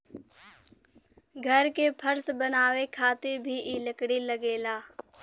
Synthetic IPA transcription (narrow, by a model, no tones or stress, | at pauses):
ɡʱəɾkepʰəɾsbənaːwekʰaːt̪ebʱiʔɪləkɽiləɡeːlaː